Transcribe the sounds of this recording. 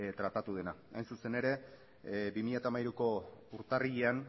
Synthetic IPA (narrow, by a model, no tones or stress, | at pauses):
t̪ɾat̪at̪uð̞e̞naajnsuse̞ne̞ɾe̞ | bimiʎat̪amaiɾuko̞uɾt̪ariʎean